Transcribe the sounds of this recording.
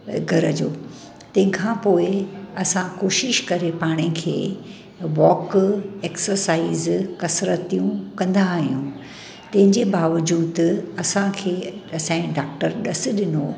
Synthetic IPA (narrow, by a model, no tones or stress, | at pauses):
ɡʱɐɾəd͡ʑoː | t̪ɐ̃ɦɪ̃kʰãpoːɪɐsãkoːʃɪʃkɐɾepaːɽ̃ẽkʰḛː | ʋɔːkeːksəɾsaːizkɐsɾət̪ijũkɐ̃nd̪aɦijũ | t̪ɐ̃ɦɪ̃ɲd͡ʑebaːʋəd͡ʑuːd̪ɐsãkʰeːɐsãɖaːk̚ʈəɾɗɐsɪ̆ɗɪno